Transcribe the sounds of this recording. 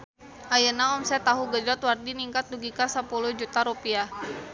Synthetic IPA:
ʔajənaɔmsɛt̪aɦuɡəd͡ʒɔt̪wardiniŋkat̪̚duɡikasəpuluhd͡ʒut̪aɾupia

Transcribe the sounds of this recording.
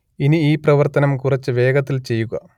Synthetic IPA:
iniiːprɐʋɐrt̪ɐnɐmkurɐt͡ɕːɨʋe̞ːɡɐt̪ːilt͡ɕe̞jːuɣɐ̰

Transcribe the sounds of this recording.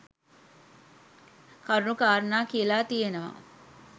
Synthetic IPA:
kaɾuɳukaːɾənaːkijəlaːt̪ijenəʋa̰

